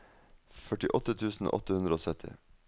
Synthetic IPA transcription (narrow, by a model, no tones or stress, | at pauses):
fœʈɪʔɔt̪ət̪ʰʉːsn̩o̰ːʔɔt̪əhʉnd̪ɾəoːsœt̪ʰɪ̰